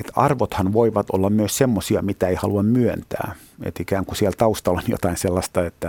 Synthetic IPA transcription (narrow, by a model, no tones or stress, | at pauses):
et̪ɑrʋot̪hɑnʋoiʋɑt̪o̰lːɑmmyøssemːosiɑmit̪æeihɑluɑmmyønt̪æ̰ː | ḛt̪ikæːŋkusielt̪ɑust̪ɑlonjo̰t̪ɑinselːɑst̪ɑet̪ːæ